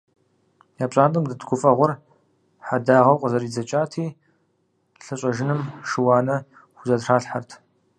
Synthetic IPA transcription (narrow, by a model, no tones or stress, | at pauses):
jaːpɕʼaːntʼɨmdɨtɡʷʊfʼɐʁʷʊr | ħadaːʁɐwqʷʼəzɐɾiːd͡zɐt͡ʃʼaːtʰiː | ɬɨɕʼɐʒɪnɨmʂɨwɑːnɐ | xʷʊzɐtraːɬħartʰ